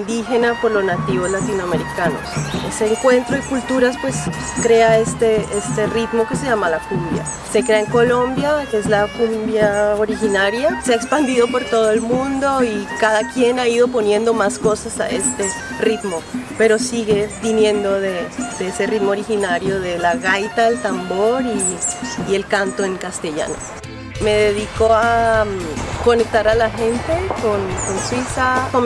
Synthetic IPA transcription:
nd̪ixe̞napo̞ɾlo̞znat̪iβo̞zlat̪inoame̞ɾikano̞̰se̞se̞ːŋkwe̞nt̪ɾoikult̪uɾaspwe̞s | kɾe̞aest̪eest̪e̞rit̪mo̞ke̞se̞ʝamalakumbja̰ | sekɾe̞aeŋko̞lo̞mbjakeezlakumbjaoɾixinaɾjaseaekspand̪iðo̞po̞ɾt̪o̞ð̞oe̞lmũnd̪oikaðakje̞naiðo̞po̞nje̞nd̪o̞masko̞sasa̰ʔe̞st̪e | rit̪mo̞pe̞ɾo̞siɣeβinjẽ̞nd̪o̞ðed̪eese̞rit̪mooɾixinaɾjo̞ðe̞laɣajt̪aelt̪ambo̞ɾiː | e̞lkant̪o̞e̞ŋkast̪e̞ʝa̰no̰ | me̞ðeðikoa | ko̞ne̞k̚t̪aɾalaxe̞nt̪e̞konkonswisakom

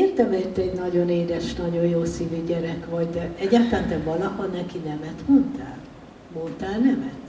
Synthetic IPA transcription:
eːrt̪ɛmɛt̪ːɛɟnɒɟo̞neːd̪ɛʃnɒɟojjoːsiːvyɟɛɾɛkʋɒɟd̪ɛɛɟːaːt̪laːnt̪ɛvɒlɒhonɛkinɛmɛt̪mont̪aːl | mont̪aːlnɛmɛt̪

